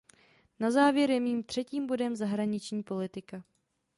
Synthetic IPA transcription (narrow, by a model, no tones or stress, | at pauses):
nazaːvjɛɾjɛmiːmt̪r̥ɛciːmbo̞dɛmzaɦɾaɲɪt͡ʃɲiːpo̞lɪt̪ɪka